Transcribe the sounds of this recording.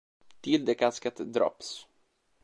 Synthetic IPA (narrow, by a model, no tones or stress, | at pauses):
t̪ʰɪld̪ɛkaskat̪d̪ɾɑ̰ːps